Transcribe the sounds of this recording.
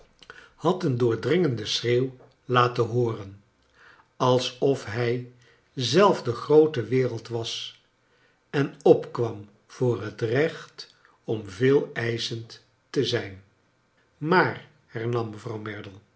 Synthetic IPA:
hɑtəndʊːɹdrɪŋəndəsreːw | laːtəɦʊːrən | ɑlˠsɔfɦɛj | zɛlˠfdəχrowtəʋɪːrəlˠtʋɑs | ɛnɔpkʋɑm | v̥ʊːrɦətrɛχt | ɔmvɪːlˠɛjzənt | təzɛjn | maːr | hɛɹnɑmːəvrɑwmɛɹdəlˠ

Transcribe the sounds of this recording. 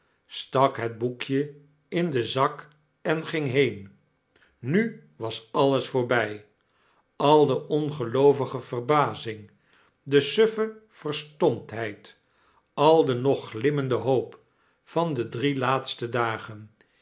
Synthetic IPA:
stɑkɦəd̚bukjə | ɪndəzɑk | ɛnχɪŋɦejn | nyʋɑsɑlˠəsfʊːɹbɛj | ɑlˠdəʔɔnχəlowvəχəv̥ərbaːzɪŋ | dəsøfəv̥ərstɔmtɦɛjt | ɑlˠdənɔχlɪməndəɦowp | fɑndədrilaːtstədaːχən

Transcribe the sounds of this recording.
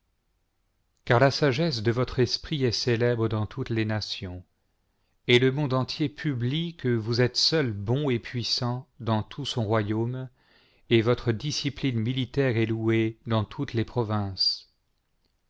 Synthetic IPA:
kaʁlasaʒɛs̬d̪əvɔt̪χɛspχiɛselɛbʁəd̪ɑ̃t̪ʰut̪lenasjɔ̃ | ɛləmɔ̃d̪ɑ̃t̪jepʰyblikəvuzɛt̪sœlbɔ̃epɥisɑ̃d̪ɑ̃t̪ʰusɔ̃ʁwajom | evɔt̪χəd̪isiplinmilit̪ɛʁɛlued̪ɑ̃t̪ʰut̪lepχɔvɛ̃s

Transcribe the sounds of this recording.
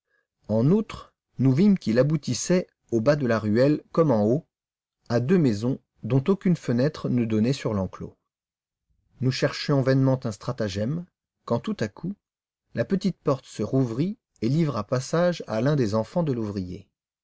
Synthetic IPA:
ɑ̃nut̪χ | nuvimkʲilabut̪isɛ | obad̪əlaʁyɛlkɔmɑ̃o | ad̪ømɛzɔ̃ | d̪ɔ̃t̪okʲynfənɛt̪χənəd̪ɔnɛsyʁlɑ̃klo̰ | nuʃɛʁʃjɔ̃vɛnmɑ̃t̪ɛ̃st̪χat̪aʒɛm | kɑ̃t̪ut̪akʰu | lapət̪it̪̚pɔʁt̪səʁuvʁi | elivʁapasaʒa̰lɛ̃d̪ezɑ̃fɑ̃d̪əluvʁijḛ

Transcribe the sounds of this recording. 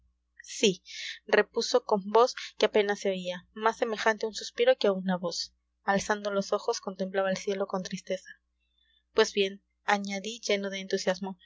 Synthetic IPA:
sire̞puso̞ko̞mbo̞skeape̞nasːeoiamasːe̞me̞xant̪eunsuspiɾo̞keaunaβo̞s | alsand̪o̞lo̞so̞xo̞sko̞nt̪e̞mplaβaelsje̞lo̞ko̞nt̪ɾist̪e̞sa | pwe̞zβje̞n | aɲaðiʝe̞no̞ð̞eːnt̪usjazmo̞

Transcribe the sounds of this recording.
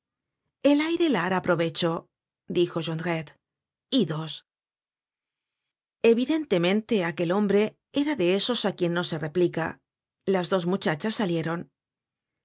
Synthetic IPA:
e̞lajɾe̞laɾapɾo̞βe̞t͡ʃo̞ | d̪ixo̞ʒonɾet̪ | iðo̞s | e̞βiðe̞nt̪e̞mẽ̞nt̪e̞ake̞lo̞mbɾe̞ | e̞ɾaðe̞eso̞sakje̞nːo̞se̞re̞plika̰ | lazðo̞zmut͡ʃat͡ʃasːalje̞ɾo̞n

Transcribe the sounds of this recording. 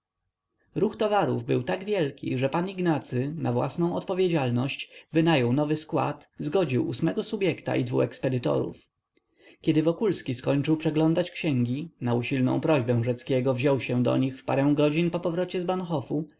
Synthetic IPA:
ɾuxt̪ɔvaɾṵvbɘwt̪aɡvʲjɛlkʲḭʐɛpaniɡnat̪sɘnavwa̰snɔ̃w̃ɔt̪pɔvʲjed͡ʑalnɔɕt͡ɕvɘnajɔwnɔvɘskwa̰t̪zɡɔd͡ʑiwʔusmɛɡɔsubʲjɛkt̪a̰ʔid̪vṵxɛkspɛd̪ɘt̪ɔ̰ɾṵf | kʲɛd̪ɘvɔkulskʲiskɔɲt͡ʂɘwpʂɛɡlɔnd̪at͡ɕkɕɛŋɡʲinauɕilnɔ̰̃w̃pɾɔʑbɛ̃w̃ʐɛt̪skʲɛɡɔvʑɔwɕɛ̃d̪ɔ̰ɲixfpaɾɛ̃w̃ɡɔd͡ʑinpɔpɔvɾɔt͡ɕɛzbanxɔfu

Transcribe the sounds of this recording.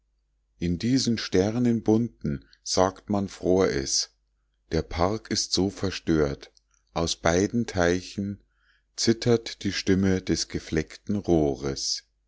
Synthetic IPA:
ʔɪndiːznʃtɛʁnənbʊntn̩ | z̥aːktmanfʁ̥oːɐʔɛ̰s | d̥eːɐpʰaʁkɪstz̥oːfɛɐʃtøːɐt | ʔaʊsb̥aɪdn̩tʰaɪçn̩ | t͡sɪtʰɐtd̥iːʃtɪmədɛsɡ̥əflɛktn̩ʁoːʁəs

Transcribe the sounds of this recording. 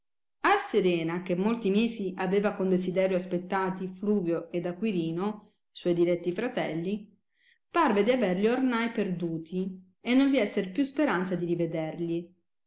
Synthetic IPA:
aseɾɛːnakemːolt̪imeːziʔaveːvakond̪ezid̪ɛːɾjoaspet̪ːaːt̪ifluːvjoʔed̪akwiɾiːno | swɔjd̪ilɛt̪ːifɾat̪ɛlːi | parved̪iaverliornajperd̪uːt̪ʰi | enːoɱviɛsːeɾpjuspeɾant̪sad̪iɾived̪erli

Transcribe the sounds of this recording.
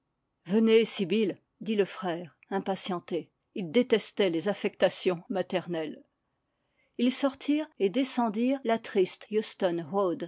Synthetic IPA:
vənesibil | d̪iləfχɛːʁ | ɛ̃pasjɑ̃t̪e | ild̪et̪ɛst̪ɛlezafɛkt̪asjɔ̃mat̪ɛʁnɛl | ilsɔʁt̪ʰiːʁed̪esɑ̃d̪iːʁlat̪χist̪just̪ɔnwod̪

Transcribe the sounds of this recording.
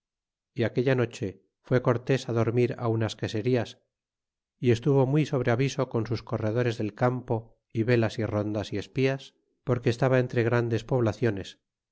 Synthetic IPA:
iake̞ʎano̞t͡ʃe̞ | fwe̞ko̞ɾt̪e̞saðo̞ɾmiɾa̰unaskese̞ɾias | ie̞st̪uβo̞mwuiso̞β̞ɾe̞aβiso̞ko̞nsusko̞re̞ðo̞ɾe̞zðe̞lkampo̞ | iβe̞lasiro̞nd̪asie̞spias | po̞ɾkeːst̪aβae̞nt̪ɾe̞ɣ̞ɾand̪e̞spo̞β̞laθjo̞ne̞s

